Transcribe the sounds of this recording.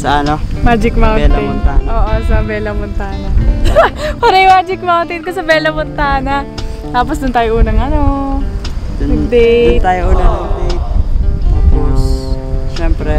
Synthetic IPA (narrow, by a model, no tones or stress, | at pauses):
sɐʔɐnomaːd͡ʒɪk̚mawtɪnʔoːʔosɐbɛːlɐmʊnt̪aːnɐ | pɐɾɐjʊmaːd͡ʒɪk̚mawnt̪ɪnkɐsɐbɛlɐmʊnt̪aːnɐ | t̪aːp̬osd̪ʊnt̪aːjoʔuːnɐŋʔɐno | ɪd̪ɛnt̪aːjoʔuːnɐŋd̪ɛt̪̚aːpos | ʃɛmpɾɛ